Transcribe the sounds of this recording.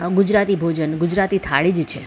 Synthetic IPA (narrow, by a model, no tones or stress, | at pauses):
ɡud͡ʒɾat̪ibʱod͡ʒənɡud͡ʒɾat̪it̪ʰaɭid͡ʒt͡ʃʰe